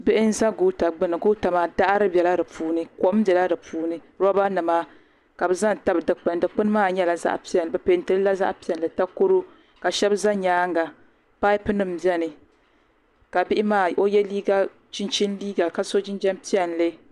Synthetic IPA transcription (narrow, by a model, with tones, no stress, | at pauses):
bɪ˦ʔɪ˦n̩˦za˦ɡo˦ta˨ɡ͡bɨ˦nɨ˨ɡo˦ta˨maː˨da˦ʔɾɨ˦bɛ˨la˦dɨ˨pʰuː˦nɨ˦ko˨ʔm˦bjɛ˨la˦dɨ˨puː˦nɨ˦ | ɾɔ˦ba˦nɨ˨maː˦ | ka˨bɨ˨za˦nta˦bɨ˨dɨ˨k͡pɨ˨n˦dɨ˨k͡pɨ˦n˦maː˦˨ɲɛ˦la˨za̰˦ʔpi˦ɛ˨n˨bɛ˨pe˨n˨tɨ˨ɾɨ˦la˦za̰˦ʔpi˦ɛ˨nlɨ˨ta˦ko˦ɾo˦ | ka˨ʃɛ˦bza˦ɲaː˦ŋɡa˨ | pa˦ɪ˦pɨ˦nɨ˦m̩˨bɛ˦nɨ˨ | ka˨bɪ˦ʔɪ˦maː˦˨o˦jɛ˦liː˦ɡa˦ | t͡ʃɪ˦nt͡ʃɪ˦n˦liː˦ɡa˨ka˦so˦d͡ʒɪ˦n˦d͡ʒɛ˦m˦pi˦ɛ˨n˨lɨ˦